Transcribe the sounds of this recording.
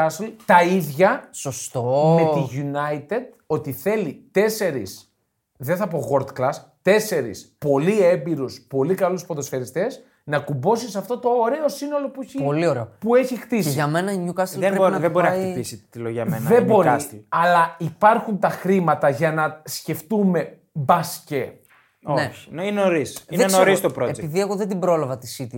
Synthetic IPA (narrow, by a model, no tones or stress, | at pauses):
ɐslt̪ɐiðʝɐsost̪ome̞t̪iʝunɐit̪ed̪̚ | o̞t̪iθe̞lit̪e̞se̞ɾis | ðeθɐpo̞ɣo̞ɾd̪klɐs | t̪e̞se̞ɾḭspo̞lie̞mbiɾuspo̞likɐluspoðosçɐɾist̪e̞s | nɐkumbo̞sisɐft̪o̞t̪o̞ːɾe̞o̞sino̞lo̞pueçilioɾeopue̞çixt̪isiʝɐmenɐiɲukɐstieoðebo̞ɾinɐxtipisit̪iloʝɐmenðɐembo̞ɾist̪iɐlɐipɐɾxunt̪ɐxɾimɐt̪ɐʝɐnɐsce̞ft̪ume̞ | bɐsce | oeç̥ninoɾisienoɾist̪opɾoeepiðieɣoðed̪ibɾo̞lɐvɐt̪isit̪i